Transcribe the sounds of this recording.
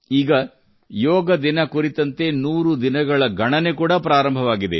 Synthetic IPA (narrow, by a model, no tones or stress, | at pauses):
iːɡɐ | jɔːɡɐd̪inɐkuɾit̪ɐnt̪e̞nuːɾud̪inɐɡɐɭɐɡʱɐɳɐne̞kuːɽɐpɾaːɾɐmbʱɐʋaːɡid̪e̞̰